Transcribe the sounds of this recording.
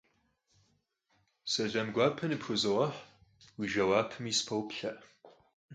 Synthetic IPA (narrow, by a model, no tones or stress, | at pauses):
sɐʒɐmɡʷaːpʰɐnɨpxʷʊzɨʁɐħ | wiʒɐwaːpʰɨmispʰɐwpʰɬɐʔ